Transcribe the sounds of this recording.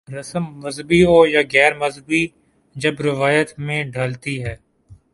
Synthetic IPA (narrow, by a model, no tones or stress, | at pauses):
ɾəsəmːəzbiɦoːjaːɣɛːɾməzbiː | d͡ʒəbɾɪʋaːjət̪mẽːɖʱəlt̪iɦɛː